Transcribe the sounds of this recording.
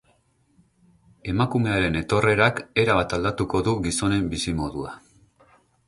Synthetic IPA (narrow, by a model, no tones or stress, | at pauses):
e̞makume̞aɾe̞ne̞t̪o̞re̞ɾake̞ɾaβat̪ald̪at̪uko̞ðuɡiso̞ne̞mbisimo̞ðua